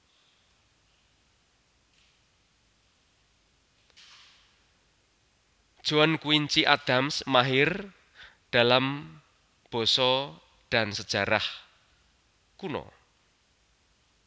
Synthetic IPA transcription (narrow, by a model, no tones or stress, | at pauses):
d̥ʒ̥o̤ankuwiɲt͡ʃiʔad̪̥amsmaɦɪr | d̥a̤lam | b̥ɔ̤sɔ | ɖ̥a̤nsəd̥ʒ̥a̤ɾah | kunɔ̰